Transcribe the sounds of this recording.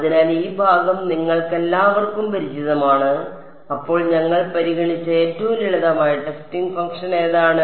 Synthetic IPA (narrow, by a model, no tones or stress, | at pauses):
ɐðinaːliːbʱaːɡɐmniŋːɐɭke̞lːaːʋɐrkːumpɐɾit͡ɕiðɐmaːɳɨ | ɐpːo̞ːɭɲɐŋːɐɭpɐɾiɣɐɳit͡ɕːɐe̞ːtːɐʋuliɭɐðɐːmaːjiʈːɨstiŋɡfɐŋɡʂɐne̞ːðaːɳɨ